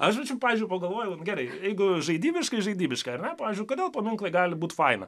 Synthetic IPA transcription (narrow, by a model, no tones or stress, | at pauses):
ɐʃʋɐt͡ʃʲɛpɑːʋʲɪzʲd͡ʒʲʊɪpɐɡɐlˠʋoːjɛʊnɡʲɛɾɐɪjɛɪɡʊʒɐɪd̪ʲiːbʲɪʃkɐɪʒɐɪdʲiːbʲɪʃkɐɐɾnʲɛpɑːʋʲeːzʲd͡ʒʲʊkoːd̪ʲeːlˠpɐmʲɪŋklˠɐɪɡɑːlʲɪbuːt̪fɐɪnɐ̰